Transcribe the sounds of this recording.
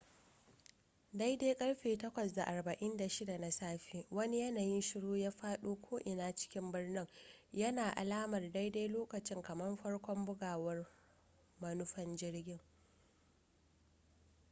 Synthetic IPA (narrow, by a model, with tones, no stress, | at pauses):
da˦jdeː˦kʼɐ˦ɽɸeː˨tɐ˦kʷɐ˨sda˨ʔa˨rbɐ˨ʔɪ˦nda˨ʃɪ˦da˨na˨saː˦ɸiː˦wɐ˦ni˦jɐ˦naː˨jɪ˦nʃɪ˦ɽoː˦jaː˦ɸaː˦ɗuː˦kʷʰoː˦ʔɪ˨naː˦t͡ʃɪ̥˦kʲɪ˦mbɪ˦rnɪ˦ŋjɐ˦naː˨ʔa̰˨laː˦mɐ˨rda˦jda˦jloː˦kɐ˨t͡ʃɪ˦ŋkɐ˨mɐ˦mɸɐ˦ɽkʷɔ˦mbʊ˦ɡaː˨wɐ˦r | mɐ˦nʊ˦ɸɐ˦nd͡ʒɪ˦ɽɡʲɪ˦ŋ